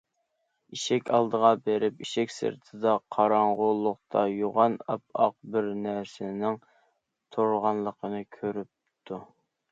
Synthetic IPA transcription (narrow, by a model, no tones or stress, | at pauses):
iʃɛkʲʰɑlˠd̪əʁɑbeɾɪpiʃɛkʲsɨ̰ɾt̪ʰɨd̪ɑqʰɑɾɑɴʁʊlˠːʊq̚t̪ʰɑjoʁɑnɑ̰p̚ɑ̰q̚bɪɾnæɾsɪnɪŋ | t̪ʰoɾʁɑnlˠəqʰənɨkʲʰøɾyp̚t̪ʰu